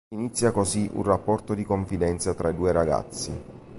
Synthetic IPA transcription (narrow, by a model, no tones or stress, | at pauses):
init̪sːjakoziʔṵnrapːɔrt̪od̪ikoɱfid̪ɛnt̪sat̪ɾʔaid̪uːeɾaɡa̰t̪sːḭ